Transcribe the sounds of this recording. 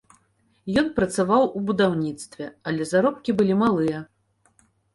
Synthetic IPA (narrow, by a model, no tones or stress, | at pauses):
jɔnpɾɐt̪savawubud̪awnʲit̪st̪vʲɛɐlʲɛzaɾɔp̚kʲibɨlʲimalˠɨjɐ